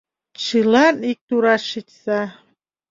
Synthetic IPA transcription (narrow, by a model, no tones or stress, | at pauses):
t͡ɕɯlɑnik̚t̪uɾɑʃitʲsɑ